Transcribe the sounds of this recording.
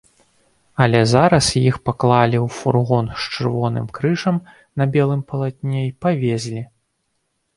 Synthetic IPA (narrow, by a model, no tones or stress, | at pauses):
ɐlʲɛzaɾɐsjixpaklˠalʲiwfurɣɔnʂt͡ʂɨrvɔnɨ̰mkɾɨʂɐm | nɐbʲɛlˠɨmpɐlˠat̪ʲnʲɛipavʲezʲlʲi